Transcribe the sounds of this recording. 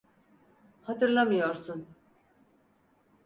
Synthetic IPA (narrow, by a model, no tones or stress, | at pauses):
hat̪ɯɾlˠamɯjoɾsun